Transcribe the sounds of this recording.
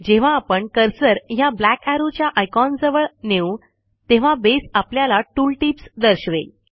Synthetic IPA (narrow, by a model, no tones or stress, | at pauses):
d͡ʑeʋ̤ãːpəɳkəɾsəɾjablækæɾut͡ɕjaʔajkɔnd͡zəʋəɭneu | t̪ẽʋ̤abesapljalaʈuːlʈipsd̪əɾɕʋḛ